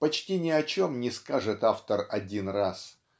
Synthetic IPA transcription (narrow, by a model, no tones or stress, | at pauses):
pɐt͡ɕtʲinʲɪɐt͡ɕomnʲɪskaʐɨt̪aft̪ərɐdʲinras